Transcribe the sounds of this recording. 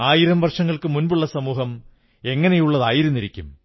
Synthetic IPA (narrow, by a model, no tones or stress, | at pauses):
aːjiɾɐmʋɐrʂɐŋːɐɭkɨmunbuɭːɐsɐmuːhɐm | e̞ŋːɐnejuɭːɐðaːjiɾunːiɾikʲːum